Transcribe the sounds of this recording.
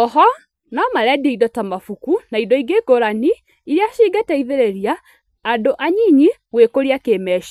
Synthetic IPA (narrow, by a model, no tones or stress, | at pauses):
ɔɦɔ | namaɾɛdieidɔtamafukunaidɔiɡeːɡoɾani | iɾeaʃiːɡatɛiðeɾeɾiaː | doʔaɲiɲiwekoɾiakeːmɛʃ